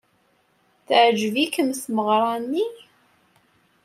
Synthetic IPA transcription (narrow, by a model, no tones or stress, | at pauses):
θʕd͡ʒvikəmθməʁɾˤɑnːi